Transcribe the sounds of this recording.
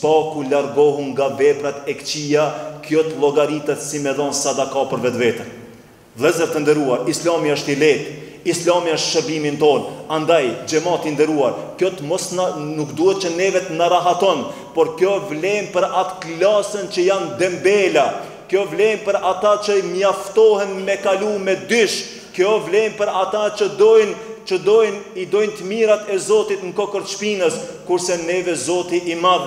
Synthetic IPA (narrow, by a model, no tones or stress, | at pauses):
spɑkulaɾɡɔɦuŋɡavɛpɾat̪ɛkt͡ɕijakjɔt̪əlˠɔɡaɾit̪ɛt̪simɛðɔnsad̪akapəɾvɛt̪vɛt̪ən | lˠɛzəɾt̪ənd̪əɾuaɾislamiaəʃt̪ilɛt̪ | islamiaəʃt̪ʃəɾbimint̪ɔnand̪ajd͡ʑɛmat̪ind̪ɛɾuaɾkjɔt̪əmɔsnnukd̪uhɛt̪̚t͡ʃənɛvɛt̪naɾaɦat̪ɔn | pɔɾkjɔvlɛmpəɾat̪klasənt͡ʃəjand̪ɛmbɛla | kjɔvlɛmpəɾat̪at͡ʃəimjaft̪ɔhɛnmɛkalumɛd̪yʃ | kjɔvlɛmpəɾat̪at͡ʃəd̪ɔjnt͡ʃəd̪ɔjnid̪ɔjnt̪əmiɾat̪ɛzɔt̪it̪ŋkɔkəɾt͡ʃpinəskuɾsɛnɛvɛzɔt̪iʔimar